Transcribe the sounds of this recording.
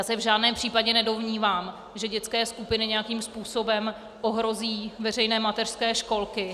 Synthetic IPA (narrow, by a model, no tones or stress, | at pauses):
jaːsɛvʒaːdnɛːmpr̥iːpaɟɛnɛdo̞mɲiːvaːm | ʒɛɟɛt͡skɛːskupɪnɪɲɛjakiːmspuːso̞bɛm | ʔoɦɾo̞ziːvɛr̝ɛjnɛːmat̪ɛr̥skɛːʃko̞lkɪ